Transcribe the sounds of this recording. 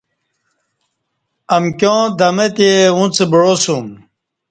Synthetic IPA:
ɐmkjõːd̪ɐmet̪eũt͡sebɻosum

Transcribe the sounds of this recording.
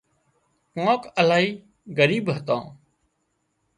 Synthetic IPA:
kãːkəlaːɦiː | ɡəɾiːbɦət̪ã̰ː

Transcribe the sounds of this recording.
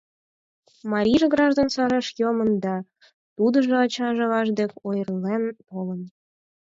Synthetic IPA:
mɑɾʲiʒeɡrɑʒd̪onsɑɾeʃjomənd̪ɑ | t̪ud̪ə̆ʒɤ̆ɑt͡ɕɑʒɤ̆lɑʒd̪ekʲojərlenpolən

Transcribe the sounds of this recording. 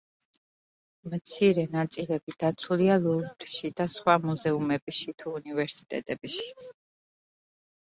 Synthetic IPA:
mt̪sʰiɾɛnat̪sʼilɛbid̪̥at̪sʰulialubɾʃid̪asχwamuzɛumɛbiʃit̪ʰuːnivɛɾsi̥t̪ʼɛ̰t̪ʼɛbiʃi̥

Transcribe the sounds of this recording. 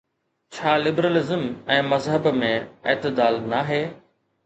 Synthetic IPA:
t͡ɕʰaːlɪbɾəlɪzəmɛ̃ːmɐzɦəbmẽɪːt̪ɪd̪aːlnaɦeː

